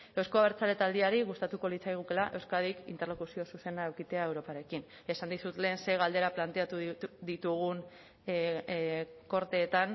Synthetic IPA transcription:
e̞wsko̞aβeɾt͡sale̞t̪ald̪iaɾiɣust̪at̪uko̞lit͡sajɣ̞ukelaʔe̞wskaðikḭnt̪e̞ɾlo̞kusio̞suse̞naewkit̪eae̞wɾo̞paɾe̞kin | e̞sand̪isut̪le̞ːnseɣald̪e̞ɾaplant̪e̞at̪uðit̪uɣ̞un | ko̞ɾt̪e̞ːt̪an

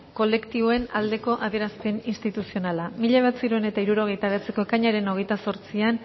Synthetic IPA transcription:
ko̞le̞kt̪iβoe̞nald̪e̞ko̞ʔaðje̞ɾaspe̞ninst̪it̪usio̞nalamiʎaβat͡siɾuene̞t̪aiɾuɾo̞ɣ̞e̞jt̪aβe̞at͡se̞ko̞ekaɲaɾe̞no̞ɣ̞e̞jt̪aso̞ɾt͡sian

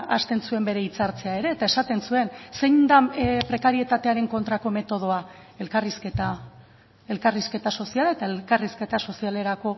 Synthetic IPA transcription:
ʔast̪e̞nsue̞mbe̞ɾe̞it͡saɾt͡se̞ae̞ɾe̞ːt̪ae̞sat̪e̞nsue̞nse̞jɲd̪apɾe̞kaɾie̞t̪at̪e̞aɾe̞ŋko̞nt̪ɾako̞me̞t̪o̞ð̞o̞a | e̞lkarisket̪a | e̞lkariske̞t̪aso̞sialae̞t̪aelkariske̞t̪aso̞siale̞ɾako̞

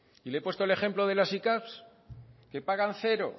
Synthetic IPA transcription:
ilepwet̪ole̞χe̞mploðe̞lasikaps | ke̞paɣ̞anθe̞ɾo̞̰

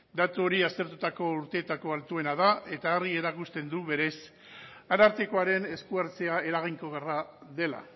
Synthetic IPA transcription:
d̪at̪uo̞ɾiast̪e̞ɾt̪ut̪ako̞uɾt̪e̞ːt̪ako̞alt̪ue̞nað̞ae̞t̪aerie̞ɾakust̪e̞nd̪uβe̞ɾe̞s | anaɾt̪eko̞aɾe̞ne̞skuaɾt͡se̞ae̞ɾaɣ̞iŋko̞ɣ̞eraðe̞la̰

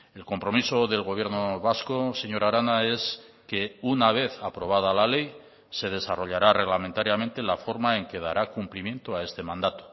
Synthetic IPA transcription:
e̞lko̞mpɾo̞miso̞ðe̞lɣo̞βje̞ɾnoβasko̞se̞ɲo̞ɾaɾanae̞s | ke̞unaβ̞e̞θapɾo̞β̞að̞alale̞j | se̞ð̞e̞saro̞ʎaɾare̞ɣlamẽ̞nt̪aɾjament̪e̞lafo̞ɾmae̞ŋke̞ða̰ɾʔakumplimjẽ̞nt̪oae̞st̪e̞mãnd̪at̪o̥

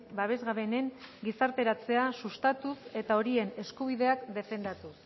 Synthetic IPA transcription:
baβ̞e̞zɣaβe̞ne̞ŋɡisaɾt̪e̞ɾat͡se̞asust̪at̪use̞t̪ao̞ɾie̞ne̞skuβ̞iðe̞akd̪e̞fe̞nd̪at̪us

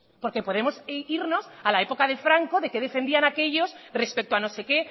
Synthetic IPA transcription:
po̞ɾke̞po̞ð̞e̞mosiɾno̞salae̞po̞kaðefɾaŋko̞ðe̞ke̞ð̞e̞fe̞nd̪ianake̞ʝo̞sre̞spe̞k̚t̪oano̞se̞ke̞

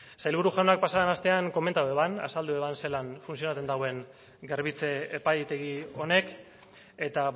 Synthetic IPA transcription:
sajlβuɾuʝanak̚pasaðenast̪e̞aŋko̞ment̪aue̞βana̰sald̪ue̞βanse̞lanfunsio̞nat̪t͡s̪end̪awe̞ŋ | ɡe̞ɾβit͡se̞epajt̪e̞ɣio̞ne̞k | e̞t̪a

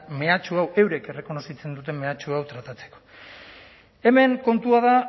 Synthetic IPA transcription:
me̞at͡ʃuawe̞wɾe̞ke̞re̞ko̞no̞sit͡se̞nd̪ut̪e̞mme̞at͡ʃuawt̪ɾat̪at͡se̞̥ko̞̥ | e̞me̞ŋko̞nt̪uaða

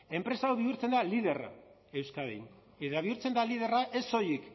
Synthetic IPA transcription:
e̞mpɾe̞saawβiuɾt͡se̞nd̪alið̞e̞ra̰ | e̞wskaðḛjn | et̪aβiuɾt͡se̞nd̪alið̞e̞raʔe̞so̞jik

